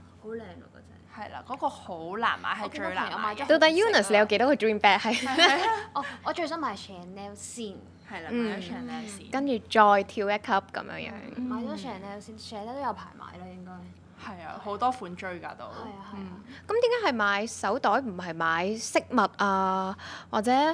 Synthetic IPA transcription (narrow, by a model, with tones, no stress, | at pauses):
ho˨˥wlɛː˨˩ŋlɐ̰˧ko˧t͡sɛ˥hɐ˨jla̰ː˧kɔː˨˥kɔː˧ho˨˧˥wla̰ː˨˩nma̰ː˨˧˥jɦɐ˨jt͡ʃɵ˨a˨˩jɐː˨˧˨aː˨˦jɔ˨˦˥t̪o˧t̪a˨˥juː˥nɐ˨sle˨jɐ˨˧wke˧˥jt̪ɔː˨˥kɔ˧ɹiː˥mpɛː˥k̚hɐ˨j | ʔɔː˧ɔː˨˧t͡ʃɵ˧s̬ɐ˥maː˨˧˩sɛː˨˩nɛː˧wsiː˥˩n | hɐ˨˩jla˧n̩˨˩˨ɛː˨˧nɛː˧wsiː˥kɐ˥nt͡ʃyː˨t͡ʃɔː˧jt̪ʰiː˧wɛː˥kʰɐ˥p̚kɐ̰˨˦mjœ̰ː˨˧ŋjœ̰ː˧˥ŋmaː˨˧jtɔ˨˥sɛː˨˩nɛː˧wsiː˥nsɛː˨˧lɛː˥t̪o˥jɐ˨˧wpʰaː˨˩jma̰ː˨˥jlɔ˥jɪ˥ŋkɔː˥j | hɐ˨˩ja̰ː˧ho˨˥wt̪ɔː˥fuː˨˥nt͡ʃɵ˥ɥka̰ː˧t̪o˧whɐ˨˩ja˧hɐ˨˩˧kɐ˦mt̪iː˨˦ŋkaː˨˥hɐ˨jmaː˨˧jsɐ˨˥wt̪ɔː˨˥jm̩˨˩ɦɐ˨˩jmaː˨˧jsɪ˥k̚mɐ˨t̚ʔaː˧waː˨k̚t͡sɛː˨˧˥